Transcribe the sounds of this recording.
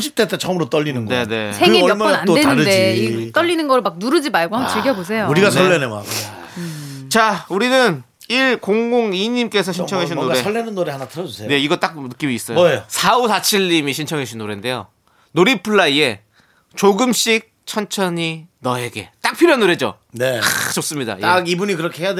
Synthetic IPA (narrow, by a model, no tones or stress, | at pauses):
d͡ʑip̚t͈et͈et͡ɕʌmɯɾot͈ʌʎːinɯnne̞ne̞̰sʰeiʌmʌnandeɯdeit͈ʌʎːinɯnɡʌɾɯɭmak̚nuɾɯd͡ʑimaɭɡoɦamt͡ɕiɭɡjʌbos̬ʰe̞jouɾiɡasʰʌɭːenema̰n | t͡ɕauɾinɯn | iɭkoŋɡoŋiɲimk͈e̞sʰʌɕʰint͡ɕʰʌŋɦeɕ̬ʰinnːoɾeʌɭːenɯnːoɾehanatʰɯɾʌd͡ʑosʰene̞iɡʌt͈ak̚nɯk͈imiːs͈ʌjosʰaosat͡ɕʰiʎːimiɕʰint͡ɕʰʌŋɦeɕʰinːoɾende̞jo̰ | noɾipʰɯɭːaie̞ | t͡ɕoɡɯmɕ͈ik̚t͡ɕʰʌnt͡ɕʰʌɲinʌe̞ɡe̞t͈ak̚pʰiɾjoɦanoɾe̞d͡ʑo̰ | neat͡ɕos͈ɯmɲida̰aɡibuɲikɯɾʌkʰehejade